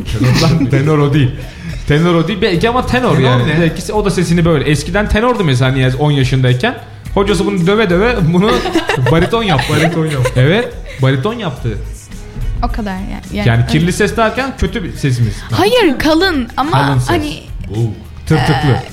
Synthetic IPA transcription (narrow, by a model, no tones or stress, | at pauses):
t̪ʰenoɾd̪ant̪ʰenoɾod̪iilʲ | t̪ʰe̞noɾod̪iːlʲbɛlʲciamat̪ʰe̞noɾjaːnined̪ɛlʲcʰiso̞d̪ase̞s̬inibø̞jlʲɛɛscid̪ænt̪ʰe̞noɾd̪umes̬aaniazo̞njaʃɯnd̪aicʰæn | ho̞d͡ʒas̬ɯbunud̪ø̞vɛd̪øvɛbunubaɾit̪ʰo̞njap̚t̪baɾit̪ʰonjap̪̚ɛvɛt̪̚ | baɾit̪ʰo̞njap̚t̪ʰɯː | okʰad̪aɾja̰jaːnicʰiɾlʲisɛsd̪æɾcʰæncʰø̞t̪ʰyse̞s̬imiz̥mhajɯɾkʰalˠɯnamaalˠɯnsanbu | t̪ʰɯɾt̪ɯklˠɯ